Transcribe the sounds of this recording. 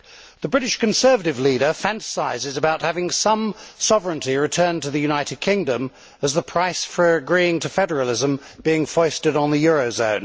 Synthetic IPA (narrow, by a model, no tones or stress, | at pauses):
ðəbɹɪɾɨʃkɨ̃nsɜ˞vəɾɨvliɾə˞fæ̃ntə̥saɪzɪzəbaʊt̚hævɪ̃ŋsʌ̃msɑvɹɨ̃ntiɹɨtʰɜ̃˞ntɨðɨjʉnaɪɾɨd̚kʰɪ̃ŋdə̃m | əzðəpʰɹ̥aɪsfə˞ɨɡɹiɪ̃ŋtʰɨfɛɾə˞əlˠɪzə̃mb̥iɪ̃ŋfɔɪstɨɾn̩ðɨjʊɹoʊzõʊ̃n